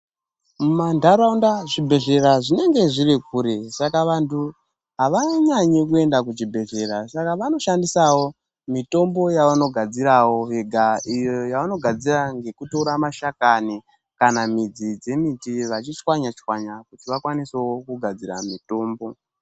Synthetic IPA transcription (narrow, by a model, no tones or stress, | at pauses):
mumandʱaɾaundaʐibʱe̞ɮe̞raʐine̞ŋɡe̞ʐirikuɾe̞sakaʋantʰu | ɦaʋaɲaɲekue̞ndak̬ut͡ʃibʱe̞ɮe̞ɾasakaʋano̞ʃandisawo̞ | mito̞mbo̞jaʋano̞ɡʱad͡ziɾawoɦeɡʱaijojaʋano̞ɡʱad͡ziraŋɡe̞kutoɾamaʃakani | kanamid͡zid͡ze̞mitiʋat͡ʃit͡ʃwaɲat͡ʃwaɲakutiʋakwaniseokuɡʱad͡zira̰mito̞ːmbo̞